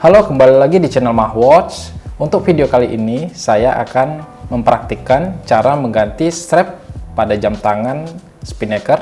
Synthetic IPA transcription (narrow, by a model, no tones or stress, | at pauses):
halokəmbalilaɡidit͡ʃɛnɛlmakwɔt͡ʃunt̪ʊk̚fideokaliʔinisajaʔa̰kan | məmpəɾak̚t̪ikant͡ʃaɾaməŋɡant̪ist̪ɾɛpːadad͡ʒamt̪aŋan | spinɛkər